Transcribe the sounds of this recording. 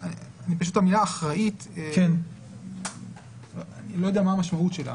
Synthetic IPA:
anip̬aʃut̪amilaːχʁait̪eken | anilo̞jodeamaːmaʃmautʃe̞la̰

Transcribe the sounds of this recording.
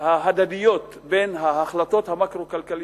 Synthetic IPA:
haɦad̪ad̪ijo̞t̪ | benɦaːχlato̞t̪hamakʁo̞kalkali

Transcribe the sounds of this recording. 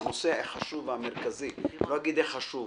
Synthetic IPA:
noseeχaʃuvameʁkaziloaɡid̪eχaʃu

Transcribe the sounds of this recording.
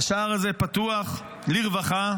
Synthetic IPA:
ʃaaʁazepat̪uaχ | liʁvaχa

